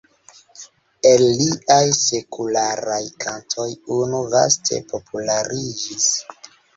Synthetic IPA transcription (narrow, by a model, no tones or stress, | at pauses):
elliʔajse̞kʰulaɾajkʰantʰo̞junuva̰stʰe̞̰po̞pʰulaɾid͡ʒis